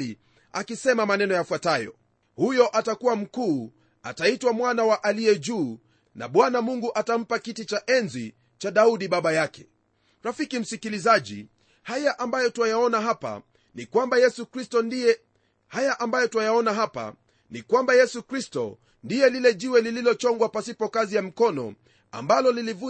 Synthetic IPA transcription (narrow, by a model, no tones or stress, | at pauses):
li | a̰kisɛmamanɛnɔjafwatajɔ̰ | hujɔʔatakuwam̩kuː | ataitwamwanawaʔaliɛʄuː | na̰ɓwanamuŋɡuʔatam̩pakitit͡ʃaʔɛnzi | t͡ʃaɗauɗiɓaɓajakɛ̥ | ɾafikim̩sikilizaʄḭ | hajaʔambajɔtuajaɔnaɦapa̰ | nikwambajɛsukɾistɔndijɛ | hajaʔambajɔtuajaɔnaɦapa̰ | nikwambajɛsukɾistɔ̰ | ndijɛlilɛʄiwɛlililɔt͡ʃɔŋɡwapasipɔkazijam̩kɔnɔ̰ | a̰mbalɔlilivu